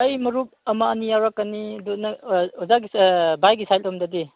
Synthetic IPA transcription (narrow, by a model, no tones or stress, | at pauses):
ɐjmɐɾup̚ɐmaːnijawɾakːaniɐdɔnɐɔzaɡibajɡisajlɔmdadi